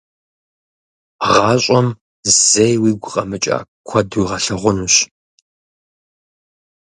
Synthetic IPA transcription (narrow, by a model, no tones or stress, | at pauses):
ʁɑːɕʼɔm | z̥ejwiːɡʷʊqʼɐmɨt͡ʃʼa̰ː | kʷʰɐdujʁɐɬɐʁʷʊnuɕ